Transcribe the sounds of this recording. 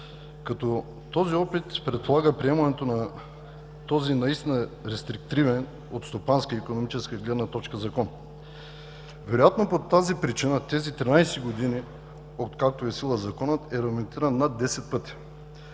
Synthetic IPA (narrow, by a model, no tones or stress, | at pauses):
kɐt̪ɔ | t̪ɔziɔpit̪pɾɛt̪̚polˠaɡəpɾiɛmənɛt̪onɐ | t̪ɔzinɐist̪inəɾɛst̪ɾik̚t̪ɾivɛn | ot̪st̪opanskəikonomit͡ʃɛskəiɡlɛd̪nɐt̪ɔt͡ʃkəzɐkɔn | vɛɾojat̪nopot̪azipɾit͡ʃinət̪ɛzit̪ɾinajsɛɡod̪ini | ot̪kak̚t̪oɛsilˠəzɐkɔnət̪ɛɾɐɡmɛnt̪iɾənːad̪ːɛsɛt̪̚pɤt̪i̥